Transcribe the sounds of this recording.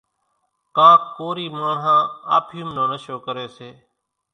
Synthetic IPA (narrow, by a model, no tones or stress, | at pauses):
kãːkkoːɾiːmaːɳɦãːa̰ːpʰjʊmnõːnəʃoːkəɾeːseː